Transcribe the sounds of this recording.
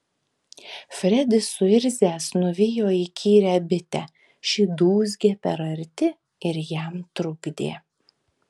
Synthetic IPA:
fʲɾʲɛd̪ʲɪsʊɪɾʲzʲæːsnʊʋʲɪjoːikʲʰiːɾʲæbʲɪt̪ʲɛ | ʃʲid̪uːzʲɡʲeːpʲɛɾɐɾʲt̪ʲɪ | ɪɾjæmt̪ɾʊɡd̪ʲḛː

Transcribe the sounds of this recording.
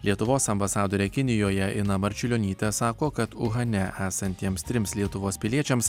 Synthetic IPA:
lʲiɛt̪ʊʋoːssɐmbɐsɑːd̪oːɾʲɛkʲɪnʲɪjoːjɛʔɪnɐmɐɾʲt͡ʃʲʊlʲoːnʲiːt̪ʲɛsɑːkoːkɐt̪ʊɣɐnʲɛʔæːsɐnʲt̪ʲiɛmst̪ʲɾʲɪmslʲiɛt̪ʊʋoːspʲɪlʲiɛt͡ʃʲɛms

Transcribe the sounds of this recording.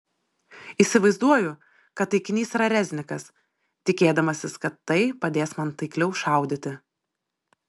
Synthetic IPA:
iːsʲɪʋɐɪzd̪uɔjʊ | kɐt̪ːɐɪkʲɪnʲiːsiɾɐɾʲɛzʲnʲɪkɐs | t̪ʲɪkʲeːd̪ɐmɐsʲɪskɐt̪ːɐɪpɐd̪ʲeːsmɐnt̪ɐɪklʲɛʊʃɑˑʊd̪ʲɪt̪ʲɪ

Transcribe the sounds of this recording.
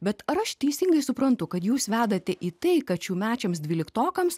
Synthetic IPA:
bʲɛt̪ɐɾɐʃt̪ʲɛɪsʲɪŋɡɐɪsʊpɾɐnt̪ʊkɐt̪juːsʋʲæːd̪ɐt̪ʲɛʔiːt̪ɐɪkɐt̪t͡ʃʲuːmʲæːt͡ʃʲɛmsd̪ʲʋʲiːlʲɪkt̪oːkɐms

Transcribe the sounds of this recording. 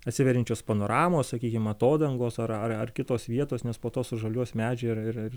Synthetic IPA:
ɐt̪ʲsʲɪʋʲɛɾʲɪnʲt͡ʃʲoːspɐnoːɾɑːmoːssɐkʲiːkʲɪmɐt̪oːd̪ɐŋɡoːsɐɾɐrɐrkʲɪt̪oːsʋʲiɛt̪oːsnʲɛspoːt̪oːsʊʒɐlʲuɔsmʲæːd͡ʒʲɛɪɾɪɾɪr

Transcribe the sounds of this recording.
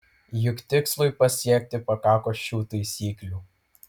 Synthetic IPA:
jʊkt̪ʲɪkslˠʊjpɐsʲiɛk̚ʲt̪ʲɪpɐkɑːkoːuːt̪ɐɪsʲiːklʲuː

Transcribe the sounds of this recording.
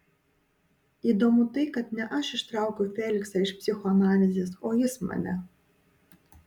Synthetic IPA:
id̪ɔmut̪ɨkat̪̚nʲɛʔaʃiʂt̪ɾawkɨfʲɛlʲiksɐiʂpsʲixɔanalʲizʲisɔjɨsmɛ̰nɛ̰

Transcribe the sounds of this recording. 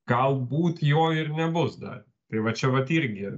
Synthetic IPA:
ɡ̥ɐlˠbuːt̪joːɪɾnʲɛbʊsd̪ɐ̰ɾʲ | t̪ɐɪʋɐt͡ʃʲɛʋɐt̪iɾʲɡʲɪ

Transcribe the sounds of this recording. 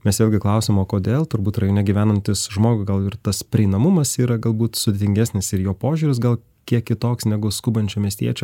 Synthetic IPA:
mʲɛsʋeːlʲɡʲɪklˠɐʊsʲomoːkoːd̪ʲeːlˠt̪ʊɾbuːt̪rɐjoːnʲɛɡʲiʋʲæːnɐnʲt̪ʲɪsʒmoːɡʊɡɐlˠɪɾt̪ɐspʲɾʲɪɛɪnɐmʊmɐsiːɾɐɡɐlˠbuːt̪sʊd̪ʲet̪ʲɪŋɡʲæːsʲnʲɪsɪɾjoːpoːʒʲuːɾʲɪs̬ɡɐlˠ | kʲiɛkʲkʲɪt̪oːksnʲæɡʊskʊbɐnʲt͡ʃʲuːmʲiɛsʲt̪ʲiɛt͡ʃʲɛ

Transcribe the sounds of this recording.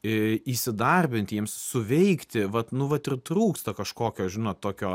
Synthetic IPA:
ɪisʲɪd̪ɐrʲbʲɪnʲt̪ʲjiɛmssʊʋʲɛɪkt̪ʲɪʋɐt̪nʊʋɐt̪ɪrt̪ɾuːkst̪ɐkɐʃkoːkʲoːʒʲɪnoːt̪t̪oːkʲoː

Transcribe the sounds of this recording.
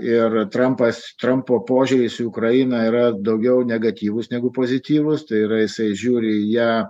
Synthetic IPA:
ɪrt̪ɾɐmpɐst̪ɾɐmpoːpoːʒʲʊːɾʲɪsʊʊkɾɐjiːnɐiːɾɐd̪ɐʊɡʲɛʊnʲɛɡɐt̪ʲiːʋʊsnʲɛɡʊpoːzʲɪt̪ʲiːʋʊst̪ɐɪiːɾɐjɪsɐɪʒʲuːɾʲɪjæː

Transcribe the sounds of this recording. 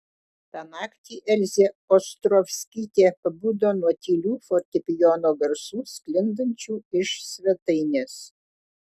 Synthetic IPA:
t̪ɑːnɑːkt̪ʲiːʔɛlʲzʲeɔst̪ɾɔfʲsʲkʲiːt̪ʲeːpɐbuːd̪oːnuɔt̪ʲiːlʲuːfɔɾʲt̪ʲɛpʲɪjoːnoːɡɐɾsuːsʲkʲlʲɪnd̪ɐnʲt͡ʃʲuːɪʃsʲʋʲɛt̪ɐɪnʲeːs

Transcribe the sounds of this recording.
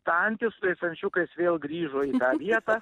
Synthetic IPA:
t̪ːɐnʲt̪ʲɪsʊt̪ɐɪsɐnʲt͡ʃʲʊkɐɪsʋʲeːlˠɡɾʲiːʒoːiːt̪ɑːʋʲiɛt̪ɑː

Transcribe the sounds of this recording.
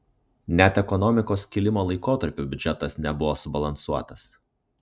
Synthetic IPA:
nʲɛt̪ɛkɔnɔmʲɪkoːskʲɪlʲɪmoːlˠɐɪkoːt̪ɐɾʲpʲuːbʲʊd͡ʒʲɛt̪ɐsnʲɛbʊʋoːsʊbɐlˠɐnsuɔt̪ɐs

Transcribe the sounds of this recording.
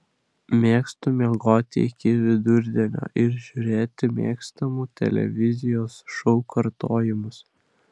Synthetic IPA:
mʲeːkst̪uːmʲeɡoːt̪ʲɪ̰ɪkʲɪʋʲɪd̪ʊɾʲd̪ʲinʲo̰ːʔɪɾʒʲuɾʲeːt̪ʲɪmʲḛːkst̪ɐmuːt̪ʲɛ̰lʲɛ̰ʋʲɪzʲɪjoːsʃɔʊkʰɐɾt̪oːjɪmʊs

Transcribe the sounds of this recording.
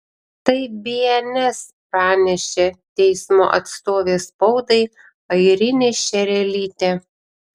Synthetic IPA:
t̪ɐɪbʲiɛnʲɛspɾɑːnʲɛʃʲeːt̪ʲɛɪsmo̰ːʔɐt̪st̪oːʋʲeːspɒʊd̪ɐɪ | ɐɪɾʲɪnʲeːʃʲɛɾʲɛlʲiːt̪ʲeː

